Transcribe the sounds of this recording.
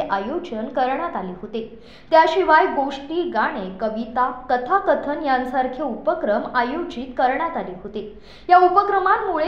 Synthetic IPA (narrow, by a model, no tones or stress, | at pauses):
ʔajod͡ʑənkəɾɳjat̪aliːɦot̪e | t̪jaɕiʋajɡoʂʈiːɡaɽ̃ekəʋit̪akət̪ʰakət̪ʰənjãnsaɾkʰeupəkɾəmajod͡ʑit̪kəɾɳjat̪aliːɦot̪e | jaupəkɾəmammuɭe